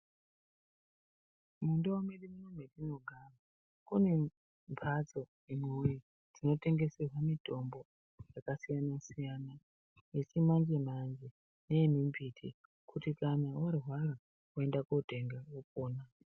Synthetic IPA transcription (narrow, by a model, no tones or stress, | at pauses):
mundoomerimunomerino̞ɡʱaβa | kune̞ | mpʰat͡so̞ | emweuje | d͡zino̞te̞ŋɡe̞serwamito̞mbo̞ | jakasijanasijana | jet͡ʃimand͡ʒemand͡ʒe | ne̞mimbʱitʰi | kʰutikanawarɦwara | ue̞ndakote̞ŋɡawopoːna